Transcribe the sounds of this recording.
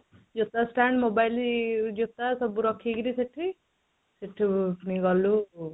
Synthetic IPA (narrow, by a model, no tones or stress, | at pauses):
d͡ʒot̪ːasʈaɳɖmobajlid͡ʒot̪ːasɔbuɾɔkʰiɡɾiseʈʰi | seʈʰːiniɡɔlu